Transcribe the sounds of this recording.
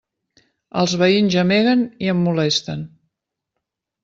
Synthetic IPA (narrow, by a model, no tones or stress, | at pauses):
ə̰lˠzβəinzəmeɣəniəmːulɛst̪ə̰n